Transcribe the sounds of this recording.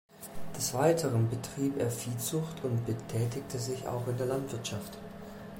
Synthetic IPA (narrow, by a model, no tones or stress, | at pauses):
d̥ɛsv̥aɪtʰəʁənbətʁ̥iːpeːɐfiːt͡sʊxtʰʊntb̥ətʰɛːtɪk̚tʰəzɪça̰ʊxɪndeːɐlantv̥ɪɐtʃaft